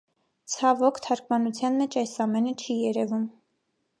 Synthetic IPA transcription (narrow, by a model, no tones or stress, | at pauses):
t͡sʰɑvɔkʰt̪ʰɑɾkmɑnut͡sʰjɑnmɛt͡ʃʰɑjsɑmɛnət͡ʃʰijɛɾɛvum